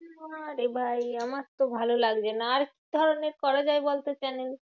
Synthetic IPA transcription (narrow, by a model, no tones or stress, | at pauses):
aɾebʱajamaɾt̪obʱalolaɡd͡ʑenaːɾki̥d̪ʱɔɾoneɾkɔɾad͡ʑaebolt̪et͡ɕanel